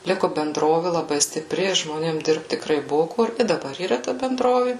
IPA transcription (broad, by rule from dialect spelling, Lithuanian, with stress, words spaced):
ˈlʲɪkʊ bʲɛnˈdroːʋʲɪ lˠɐˈbɐɪ sʲtʲɪˈpʲrʲɪ ʒmoːˈnʲeːm ˈdʲɪrpt tʲɪkˈrɐɪ ˈbʊʋʊ ˈkʊr ɪ dɐˈbɐr iːˈrɐ tɐ bʲɛnˈdroːʋʲɪ